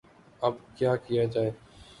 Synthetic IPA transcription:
əbkjaːkɪjaːd͡ʒaːeː

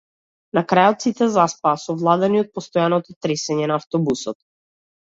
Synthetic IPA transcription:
nakɾajɔt̪sit̪ɛzaspaːsɔvlˠad̪ɛniɔt̪̚pɔst̪ɔjanɔt̪ɔt̪ɾɛsɛɲɛnaːft̪ɔbusɔt̪̚

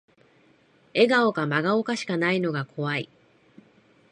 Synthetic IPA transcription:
e̞ɡao̞kamaɡaokaɕi̥kanaino̞ɡakʰo̞βai

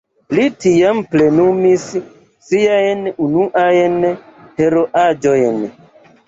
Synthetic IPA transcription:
litijamplenumis | sijajenunuʔajenheɾoʔad͡ʒojen

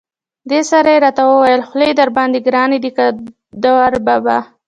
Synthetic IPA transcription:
d̪esaɾajeɾɑt̪awəwajəlxlejd̪aɾbɑnd̪eɡɾɑned̪ika | d̪awaɾbaba

